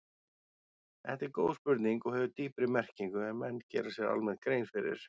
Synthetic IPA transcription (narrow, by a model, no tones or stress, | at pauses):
θɛ̰ht̪ɪɾkoːwspʏɾt̪niŋkɔɣhɦɛvʏt̪iːpɾɪmɛr̥ciŋkʏɛnmɛnːcɛ̰ːɾasjɛɾa̰lmɛnt̪kɾejnfɪɾɪ̰ɾ̥